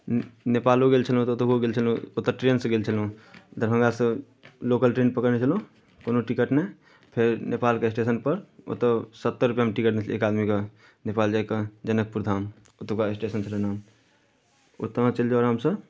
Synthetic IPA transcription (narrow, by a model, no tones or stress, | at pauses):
nepaloɡelt͡ʃʰəlũt̪ot̪əɦoɡelt͡ʃʰəlũot̪ːəʈɾensə̃ɡelt͡ʃʰəlɦũd̪əɾɦə̃ŋɡasə̃ | lokəlʈɾenpəkəɾnet͡ʃʰəlũ | konoʈikəʈnɛ | pʰeɾnepalkeesʈesənpəɾo̰t̪əsət̪ːəɾupjaɦmʈikəʈnet͡ʃʰḛkad̪mike | nepald͡ʒaekəd͡ʒənək̚puɾd̪ʱam | ot̪əkaesʈesənt͡ʃʰələnam | o̰t̪ːəmãt͡ʃəld͡ʒaɾɦəmsəb